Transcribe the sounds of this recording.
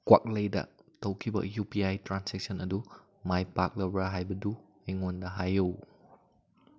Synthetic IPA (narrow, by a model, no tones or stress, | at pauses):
kwa̰k̚lejda̰ʔtokibə̰ʔjupiajtɹãnsɛk̚sə̃nədu | majpak̚ləbaɦajbədu | ɛŋundaɦajow